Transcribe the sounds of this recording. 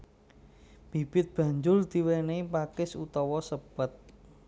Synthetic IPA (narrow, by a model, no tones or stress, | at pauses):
b̥ib̥ɪt̪̚b̥ä̤ɲd͡ʒʊld̪̥i̤weneipakɪsut̪ɔwɔsəb̥ət̪̚